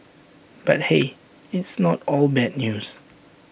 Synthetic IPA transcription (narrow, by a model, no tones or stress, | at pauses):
b̥at̚he | ɪtsnɔtɔlbɛd̚njus